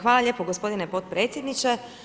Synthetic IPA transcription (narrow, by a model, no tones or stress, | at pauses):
xʋaːlˠaʎʲe̞ːpoɡospo̞d̪inepot̪̚pɾeːt̪sʲjed̪nit͡ʃe